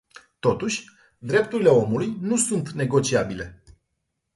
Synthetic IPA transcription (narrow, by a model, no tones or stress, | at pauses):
t̪o̞t̪uʃʲ | d̪ɾe̞p̚t̪uɾile̞o̞mulujnusunt̪ne̞ɡo̞t͡ʃiabile̞